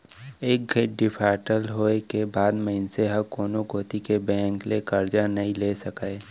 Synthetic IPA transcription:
eːk̚ɡʱeɖɪpʰaːʈəlɦoːekebaːd̪məɦɪnseɦɐkoːnokoːt̪ikebɛ̃ːŋklekɐɾd͡ʒanɐɦĩlesɐkae

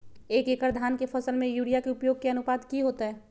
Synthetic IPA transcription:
eːkeːkəɾd̪ʱaːnkefʰɐsəlmẽjuːɽijakeʊpjoːɡ̚keɐnʊpaːd̪kiɦoːt̪aɦɛː

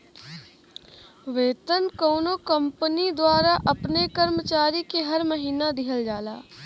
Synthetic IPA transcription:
ʋeːt̪ənkoːnokə̃mpənid̪waːɾaʔɐpnekɐɾmət͡ʃaːɾikeɦɐɾməɦiːnad̪ɪɦəld͡ʒaːlaː

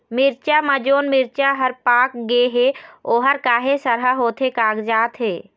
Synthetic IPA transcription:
mɪɾt͡ʃamãd͡ʒoːnmɪɾt͡ʃaɦəɾpaːk̚ɡeɦeoːɦəɾkaːɦesəɾɦəɦoːt̪ɦekaːɡd͡ʒaːt̪ɦeː

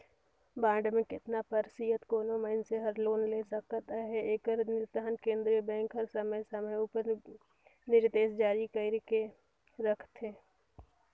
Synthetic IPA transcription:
bãːɖmẽkɪt̪napəɾsijət̪koːnoməɪnseɦəɾloːnlesəkt̪aɦɛeːkəɾnɪɾd̪ɦənkẽːnd̪ɾibɛ̃ːŋkɦəɾsəməjsəməjuːpəɾ | nɪɾd̪eːsd͡ʒaːɾikəɪɾke | ɾəkʰt̪ɦɛː

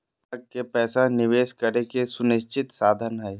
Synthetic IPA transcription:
kkepɛːsanɪʋeːʃkəɾekesʊnɪʃt͡ʃɪt̪saːd̪ʱənɦɛː

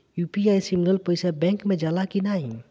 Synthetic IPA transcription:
jupiajsimɡəlpəɪsabɛ̃ŋkmẽd͡ʒalakinaĩ

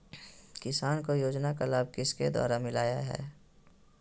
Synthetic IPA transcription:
kɪsaːnkojoːd͡ʒnakalaːb̚kɪsked̪ɔ̰ːɾamɪlaːjaɦɛ̰ː

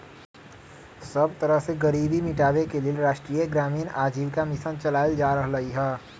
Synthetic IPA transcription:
sɐbt̪ɐɾəɦseɡɐɾiːbimɪʈaːbekelieɾaːʃʈɾiːjeɡɾaːmiːnaːd͡ʒiːʋkamɪsənt͡ʃɐlaːjəld͡ʒaːɾəɦlɐɦiɦɛː

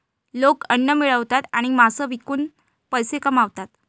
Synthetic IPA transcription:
lokənːəmiɭəʋt̪at̪aɽ̃imasəʋikuːn | pəjsekəmaʋt̪at̪

